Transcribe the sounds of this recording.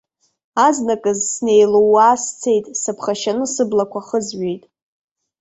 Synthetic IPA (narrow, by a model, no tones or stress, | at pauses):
aznakʼɨzsne̞jlowaːst͡sʰe̞jtʼsɨpʰχaʃanɨsɨblakʷaχəzɥejtʼ